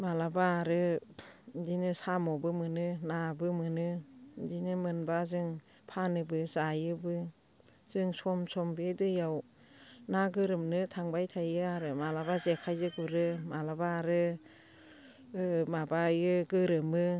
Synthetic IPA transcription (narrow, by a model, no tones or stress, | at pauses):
malabaːɾɯ | dinɯsamɔbɯmɯnɯnabɯmɯnɯdinɯmɯnbazɯŋ | pʰanɯbɯzajɯbɯ | z̥ɯŋsɔmsɔmbedɯjaw | naɡɯɾɯmnɯtʰaŋbajtʰajɯaɾɯmalabazekʰajzɯɡuɾɯmalabaɾɯ | mabajɯɡɯɾɯmɯ